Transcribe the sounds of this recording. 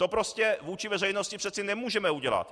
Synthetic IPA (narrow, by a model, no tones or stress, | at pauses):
t̪opɾoscɛvuːt͡ʃɪvɛr̝ɛjno̞scɪpr̥ɛt̪sɪnɛmuːʒɛmɛuɟɛla̰t̪